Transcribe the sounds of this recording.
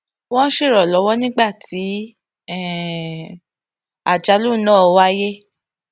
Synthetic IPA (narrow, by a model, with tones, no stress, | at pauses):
wɔ̃˦n˦ʃe˦˨ɾɔ˨lɔ˨˦wɔ˦nĩ˦ɡ͡ba˦˨tʰi˨˦ | ɛ˦˨ | a˨d͡ʒa˧lu˦nãː˦˨˧wa˦je˦